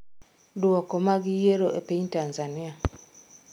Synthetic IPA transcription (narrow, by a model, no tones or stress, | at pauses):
dwɔkɔmaɡijeɾoʔepeɲtanzanɪa